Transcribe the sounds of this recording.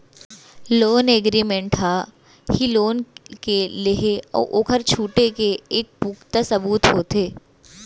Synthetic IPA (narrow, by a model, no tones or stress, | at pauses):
loːneɡɾiːmẽɳʈɦa | hiloːnkeleɦeɔ̰ːɾʔoːkʰəɾt͡ʃʰuːʈekeeːk̚puːkt̪asɐbuːt̪ɦoːt̪eː